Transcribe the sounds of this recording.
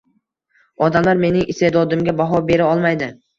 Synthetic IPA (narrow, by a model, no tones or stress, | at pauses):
ɒd̪amlaɾme̞nɪŋɪst̪ed̪ɒd̪ɪmɡʲabaɦɒbe̞ɾaɒlˠmajd̪ɪ